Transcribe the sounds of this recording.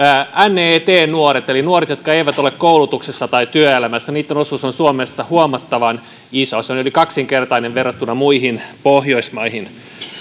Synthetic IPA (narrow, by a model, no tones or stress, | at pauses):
æneːt̪eːnnuoɾet̪elinuoret̪jo̞t̪̚kɑeiʋæt̪o̞lekkoulut̪uksesːɑt̪ɑit̪yøelæmæsːæniːt̪ːeno̞suːsonsuomesːɑhuomɑt̪ːɑʋɑn | isosjɑnolikɑksiŋkert̪ɑineʋʋerot̪ːunɑmuihinpohjoismɑihin